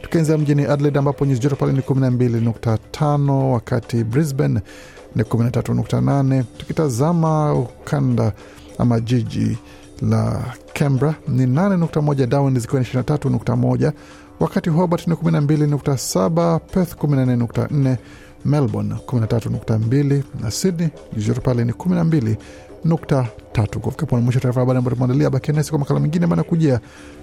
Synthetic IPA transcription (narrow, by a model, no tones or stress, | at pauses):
tu̥kianziam̩ʄiniʔadlɛdambapɔɲizid͡ʒɔtɛpalɛnikuminambilinuk̚tatʰanɔwakatibɾizbɛn | nikuminatatunukta̰nanɛtu̥kitazamaukʰanda | a̰maʄiʄḭ | la̰kʰɛmbɾaninanɛnuk̚tamɔʄadawanzikiwaniʃiɾinatatunuk̚tamɔʄa | wakatiɦɔɓatnikuminambilinuk̚tasaɓapɛθkuminanːɛnuk̚ta̰n̩nɛ | mɛlbɔ̰nkuminatatunuk̚tambilina̰sidni | izɔtɛpalɛnikuminambili | nuktatatukufikapɔnamwiʃɔataɾifaaɓaɗiambaɔtamɔandaliaɓakiɛnɛsi̥kwamakalamɛŋɡinɛmanakuʄɛa